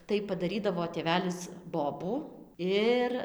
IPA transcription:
tɐɪ pɐdɐˈrʲiːdɐʋoː tʲeːˈʋʲæːlʲɪs ˈboːbuː ˈɪr

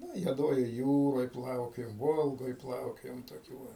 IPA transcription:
ˈnʊ ɪ juɔˈdoːjoːj ˈjuːroːj ˈplˠɐʊkʲoːjoːm ˈʋoːlˠɡoːj ˈplˠɐʊkʲoːjoːm toːˈkʲuː ʋɐ

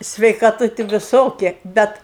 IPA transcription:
sʲʋʲɛɪkɐˈtʊ tʲɪ ʋʲɪˈsoːkʲɪ ˈbʲɛt

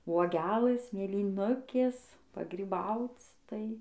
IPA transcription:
uɔˈɡʲæːlˠɘs mʲeːlʲiːˈnʊkʲeːs pɐɡrʲiːˈbɐʊt͡s ˈtɐɪ

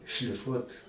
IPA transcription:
ʃʲlʲɪˈfuɔt

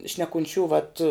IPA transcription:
ʃʲnʲɛkʊnʲˈt͡ʃʲuː ʋɐt

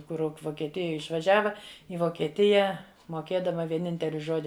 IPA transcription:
ˈkʊr ʋoːkʲiɛˈtʲɪjɛ ɪʃʋɐˈʒʲæːʋɐ ɪ ʋoːkʲiɛˈtʲɪjɛ moːˈkʲeːdɐmɐ ʋʲiɛˈnʲɪnʲtʲɛlʲɪ ˈʒoːdʲɪ

